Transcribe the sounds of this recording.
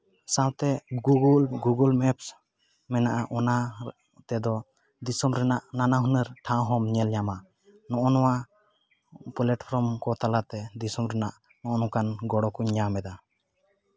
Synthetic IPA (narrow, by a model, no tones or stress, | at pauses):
sãwt̪ɛɡuɡulɡuɡulmɛps | mɛnaʔaʔɔna | t̪ɛd̪ɔ | d̪isɔmɾɛnaʔnanaɦunəɾʈʰãwɦɔmɲɛlɲama | nɔʔɔnɔwa | pɔlɛʈpʰɾɔmkɔt̪alat̪ɛd̪isɔmɾɛnaʔ | nɔʔɔnɔ̃kanɡɔɽɔkuɲːamɛd̪a